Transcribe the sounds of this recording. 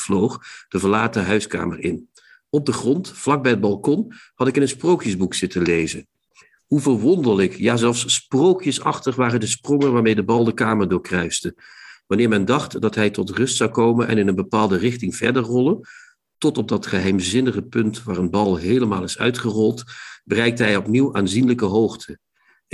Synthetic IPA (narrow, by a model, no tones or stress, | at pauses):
v̥lowχd̥əvəɹlaːtəɦœɥska̰ːməɹɪ̰n | ɔb̚dəχrɔntflɑɡ̚bɛjəd̚bɑlˠkɔn | hɑtɪkɪnənsprowkjəzbuksɪtəlejzə | ɦuvəɹʋɔndələkjaːzɛlˠfsːprowkjəsɑχtəχʋaːrədəsprɔŋənʋaːɹmejdəbɑlˠdəkaːməɹdʊːɹkrœɥsdəʋɑnɪːɹmɛndɑχtdɑtɦɛjtɔtrɵstsɑwkowmənʔɛ̰nɪnənbəpaːlˠdərɪχtɪŋv̥ɛ̰ɹdəɹrɔlˠən | tɔtɔb̚dɑtχəɦɛjmzɪnəχəpɵntʋaːɹənbɑlˠɦejləmaːlˠɪsœ̰ɥtχərɔlˠtbərɛjk̚tɦɛjɔpniwaːnzinləkəɦowχtʰə